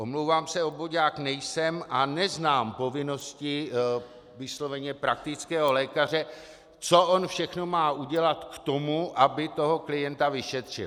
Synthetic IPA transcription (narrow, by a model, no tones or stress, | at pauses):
ʔo̞mlowvaːmsɛo̞boɟaːknɛjsɛmʔanɛznaːmpo̞vɪno̞scɪ | vɪslo̞vɛɲɛpɾak̚t̪ɪt͡skɛːɦo̞lɛːkar̝ɛ | t͡so̞ʔonfʃɛxno̞maːʔuɟɛlat̪kt̪o̞muʔabɪt̪o̞ɦo̞klɪjɛnt̪avɪʃɛt̪r̝̥ɪ̰l